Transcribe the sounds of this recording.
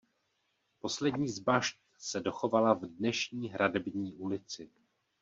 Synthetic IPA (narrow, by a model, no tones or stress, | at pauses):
po̞slɛdɲiːzbaʃt̪ | sɛdo̞xo̞valavdnɛʃɲiːɦɾadɛbɲiːʔulɪt͡sɪ